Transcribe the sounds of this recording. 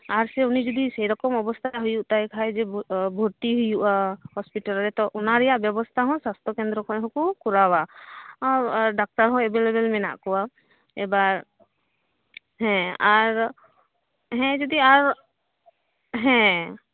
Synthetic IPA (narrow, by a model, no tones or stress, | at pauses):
aɾsɛunid͡ʒɔd̪isejɾɔkɔmɔbɔst̪ʰaɦujuʔt̪ajkʰajd͡ʒɛbʱoʈiɦujuʔahɔspiʈalɾɛt̪ɔʔunaɾɛjaʔbjɔbɔst̪ʰaɦɔ̃sast̪ʰɔkend̪ɾɔkʰɔɦɔ̃kukuɾawa | ɖak̚ʈaɾɦɔ̃ɛbelebelmɛna̰ʔkɔwa | ɛbaɾ | ɦɛ̃aɾ | ɦɛ̃d͡ʒɔd̪iaɾ | ɦɛ̃